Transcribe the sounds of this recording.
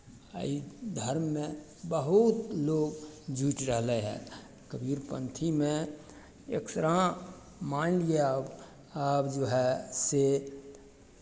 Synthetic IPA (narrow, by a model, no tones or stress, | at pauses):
ə̰id̪ʱəɾmːẽ | bəɦut̪loːɡd͡ʒuːʈɾəɦleɦɛ̰̃ː | kəbiːɾpə̃nt̪ʰimẽ | ḛksɾã | maːnlieab | aːpd͡ʒoɦɛse